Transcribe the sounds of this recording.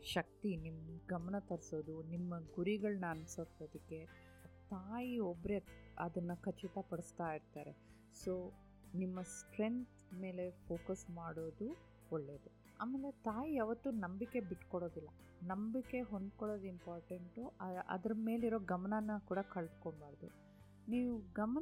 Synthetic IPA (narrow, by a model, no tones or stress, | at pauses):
ʃɐk̚t̪inimɡɐmɐnɐt̪ɐɾsoːd̪unimːɐɡuɾiɡɐɭɐnɐɐnsoːt̪ːod̪ikːe̞ | t̪aːjiobɾeɐ̰d̪ɐnːɐkɐt͡ʃːit̪ɐpɐɽust̪aːiɾt̪aːɾe̞̰ | so̞ː | nimːɐsʈɾe̞nt̪ʰme̞ːle̞pʰoːkɐsmaːɽoːd̪u | ɔɭːe̞ːd̪u | aːmeːlet̪aːjijaːʋɐt̪ːunɐmbikːe̞biʈːkɔɽo̞ːd̪ilːɐ | nɐmbikːe̞ɦo̞nd̪koɭo̞ːd̪uimpaːɾʈeɳʈuɐʔɐ̰d̪ɐɾɐme̞ːliɾo̞ːɡɐmɐnɐnːɐkuːɽɐkɐɭd̪koɳbaːɾd̪ṵ | niːʋuɡɐm